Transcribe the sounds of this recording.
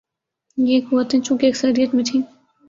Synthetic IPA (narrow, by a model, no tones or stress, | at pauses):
jeːkɦuat̪ɦɛ̃t͡ʃũːkeɐksɐɾijət̪mẽʈʰĩː